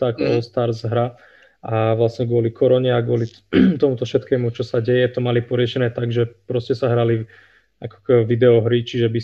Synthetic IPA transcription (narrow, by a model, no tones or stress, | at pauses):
t̪akɔst̪aɾzɦɾa | aʋlasɲɛɡʊɔlikʰɔɾɔɲɛaɡʊɔli | t̪ɔmut̪ɔfʃɛt̪kɛːmut͡ʃɔsaɟɛjɛt̪ɔmalipɔɾɪɛʃɛnɛːt̪aɡʒɛpɾɔscɛsaɦɾali | akɔ̥kʋid̪ɛɔɦɾit͡ʃiʒɛbi